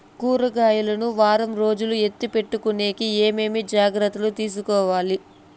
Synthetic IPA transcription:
kuːɾɐɡaːjulɐnuʋaːɾɐmɾo̞ːd͡ʒulue̞t̪ːipe̞ʈːukune̞ːkieːme̞ːmid͡ʒaːɡɾɐt̪ːɐlut̪iːs̬ukɔːʋaːli

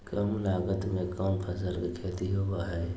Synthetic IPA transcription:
kəmlaːɡət̪mẽkaːmpʰəsəɾkekʰeːt̪iɦobaɦɛ

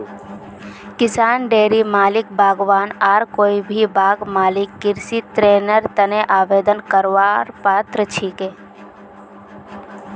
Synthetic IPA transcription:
kɪsaːnɖeːɾimaːlɪk̚bʱaːɡʋaːnaːɾkoːibʱibʱaːɡmaːlɪkːɪɾsit̪ɾeːnəɾt̪ɐneʔaːʋeːd̪ənkəɾʋaːɾpaːt̪ɾət͡ʃʰiːkeː

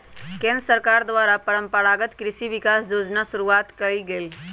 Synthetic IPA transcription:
kẽnd̪ɾəsəɾkaɾd̪ʋaɾapəɭəmpəɽaɡət̪kɾisiʋikasjod͡znasuɾuat̪kəiɡel

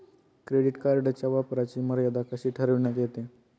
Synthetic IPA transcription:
kɾeɽiʈkaɾɖat͡ɕjaʋapɾat͡ɕiːməɾjad̪akəɕiːʈʰəɾəʋɳjat̪jet̪e

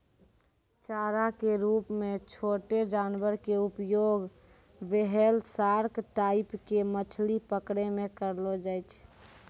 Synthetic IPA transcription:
t͡ʃaːɾakeɾupmet͡ʃʰoʈed͡ʒanbəɾkeupjoɡ | beɦelsaɾkʈaɪpkemət͡ʃʰlipəkɽemẽkəɾlod͡ʒajt͡ʃʰ

